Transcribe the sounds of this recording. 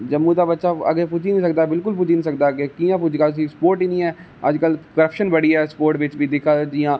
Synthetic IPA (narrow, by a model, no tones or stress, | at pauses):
d͡ʒəmːũːt̪aːbətːʃaːə̰ɡeːpʊd͡ʒiːnĩːsək̚d̪aːbɪlk̬ʊlpʊd͡ʒiːnĩːsəkd̪aːɡekiːãːpʊd͡ʒkaːt̪ʊs̬iːspoːɾʈiːnĩːɛː | ə̰d͡ʒkəlkəɾəpʃənbəɽiːɛːspoːɾʈʋɪt͡ʃʋiːd̪ɪkʰad͡ʒiːjãː